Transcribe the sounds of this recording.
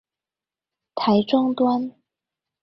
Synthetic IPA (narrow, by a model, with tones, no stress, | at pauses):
t̪ʰa˨˧˥ɪʈ͡ʂʊ˥ŋt̪wa˥n